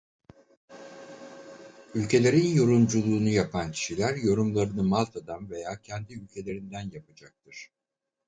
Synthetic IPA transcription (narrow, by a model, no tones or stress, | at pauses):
ylʲcʰe̞lʲe̞ɾinjo̞ɾumd͡ʒulˠuːnujapʰancʰi̥ʃilʲæɾjo̞ɾumlˠaɾɯnɯmalˠt̪ʰad̪anve̞jaːcʰænd̪iylʲcʰe̞lʲe̞ɾind̪ænjapad͡ʒak̚t̪ʰɯɾ̥